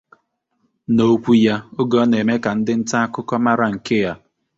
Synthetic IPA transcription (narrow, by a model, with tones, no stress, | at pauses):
no˦kʷu˦ja˦o˦ɡɔ˦ne˨me˦ka˨n̩˦dɪ˦n̩˦ta˦kʊ˦kɔ˦ma˦ɾa˦ŋ̩˨ke˦ja˦